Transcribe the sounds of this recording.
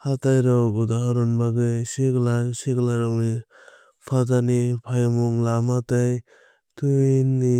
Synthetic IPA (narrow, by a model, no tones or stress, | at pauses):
hatajɾɔɡɔdaɾɔnbaɡɯjseklaseklaɾani | pʰazanipʰajamuŋlamataj | tunːi